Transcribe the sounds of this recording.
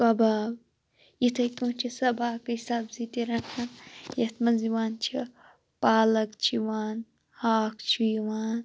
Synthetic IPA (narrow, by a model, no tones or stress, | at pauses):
kɐbaːb | jit̪ʰɐkʲũːt͡ʃʰisɐbaːkɐɦisaːbzit̪iɾɐnhɐnjɐt̪ʰmɐnziʋaːnt͡ʃʰi | paːlɐkt͡ʃʰiʋaːn | haːkʰt͡ʃʰijiʋaːn